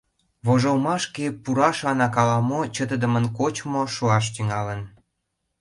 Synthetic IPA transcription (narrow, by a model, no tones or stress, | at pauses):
βoʒolmɑʃkepuɾɑʃɑnɑkɑlɑmot͡ɕət̪əd̪əmənkot͡ɕmoʃuɑʃ̬t̪yŋɑlən